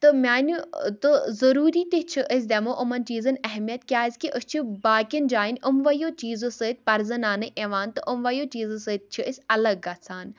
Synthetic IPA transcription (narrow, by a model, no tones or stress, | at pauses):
t̪ɨmʲaːnʲut̪ɨzɐɾuːɾiːt̪it͡ʃʰiʔəs̬ʲd̪ʲemoʔʊmɐnt͡ʃiːzɐnɐɦmijɐt̪̚kʲjaːisʲkiʔəst͡ʃʰibaːkʲɐnd͡ʒaːinʲʊmʋɐjoːt͡ʃiːzɨsɨt̪̚ʲpɐɾzɐnaːnɨʔeːʋaːnt̪ɨʔʊmʋɐjoːt͡ʃiːzɨsɨt̪̚t͡ʃʰiʔəsʲɐlɐɡːɐt͡sʰaːn